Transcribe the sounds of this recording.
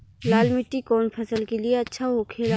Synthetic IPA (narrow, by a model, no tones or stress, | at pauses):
laːlmɪʈːikɔːnpʰɐsəlkelieɐtːʃʰaɦokʰeːɾa